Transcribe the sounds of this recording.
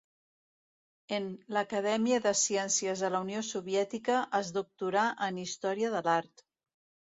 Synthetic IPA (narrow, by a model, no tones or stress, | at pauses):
enləkəðɛmiəðəsiɛnsjəzðələuniosuβjɛt̪ikəʔəzðuk̚t̪uɾaʔənist̪ɔɾiəðəlaɾt̪